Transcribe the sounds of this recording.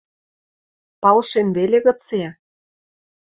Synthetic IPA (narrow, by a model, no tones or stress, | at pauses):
pɑlʃenβelʲeɣɤ̆t͡se